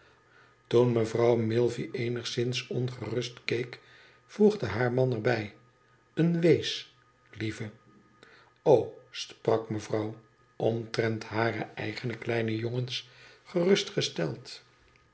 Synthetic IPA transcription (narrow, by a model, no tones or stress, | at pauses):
tunməvrɑwmɪlˠviʔejnəχsɪnsɔnχərɵstkejk | fuχdəɦaːɹmɑnəɹbɛj | ənʋejs | livə | owsprɑkməvrɑw | ʔɔmtrɛntɦaːrə̰ɛ̰jχənəklɛjnəjoŋənsχərɵstχəstɛlˠt